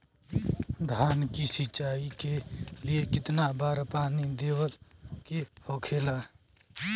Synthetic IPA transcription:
d̪ʱaːnkisɪt͡ʃaːikeliekɪt̪nabaːɾpaːnid̪eːwəlkehoːkʰela

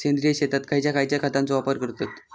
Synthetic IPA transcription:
end̪ɾijəɕet̪at̪kʰaɦjt͡ɕjakʰajt͡ɕjakʰat̪ant͡soʋapəɾkəɾt̪ot̪

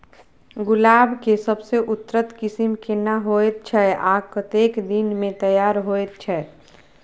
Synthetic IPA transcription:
ɡʊlaːbkesəbseʔʊt̪ːɾət̪kɪsɪmkenɐɦoːet̪̚t͡ʃʰɛʔaːkət̪eːkd̪ɪnmẽt̪əjaːɾɦoːet̪̚t͡ʃʰɛ

